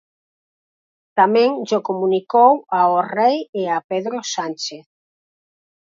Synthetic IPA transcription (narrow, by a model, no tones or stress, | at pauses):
t̪amɛ̃ŋʒokomũnikowaorejeapeðɾosant͡ʃeθ